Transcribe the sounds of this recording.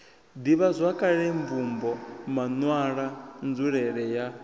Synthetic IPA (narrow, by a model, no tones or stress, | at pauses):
d̪iβazʷakʼaɺɛɱvumbɔmanwaɺand͡zuɺɛɺɛja